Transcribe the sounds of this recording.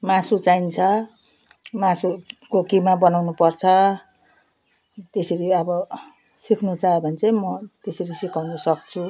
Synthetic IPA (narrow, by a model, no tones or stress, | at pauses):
mãsut͡saint͡sʰʌ | masukokimabʌnawnupʌrt͡sʰʌ | t̪eseɾiʌbʌ | sikʰnut͡saebʱʌnt͡sʰemʌt̪eseɾisikʰawnʌsʌkt͡sʰu